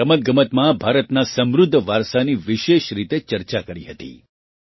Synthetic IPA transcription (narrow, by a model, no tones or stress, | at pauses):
əmət̪̚ɡəmət̪mãbʱaɾət̪nasəmɾʊd̪ʱːəʋaɾsaniʋiʃeʃɾit̪et͡ʃəɾt͡ʃakəɾiɦət̪ḭ